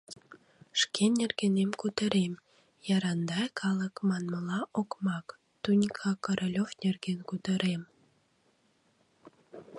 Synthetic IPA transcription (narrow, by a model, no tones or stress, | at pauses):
ʃkenʲerɡenemkut̪ə̆ɾem | jɑɾɑnd̪ɑjkʰɑlˠə̆kmɑnmə̆lɑʔokmɑk | t̪unʲkʰɑkoɾʔolʲofnʲerɡenkut̪ə̆ɾem